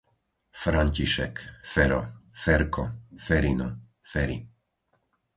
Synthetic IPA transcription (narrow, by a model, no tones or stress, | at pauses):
fɾaɲciʃɛkfɛɾɔfɛɾkʰɔfɛɾinɔ | fɛɾḭ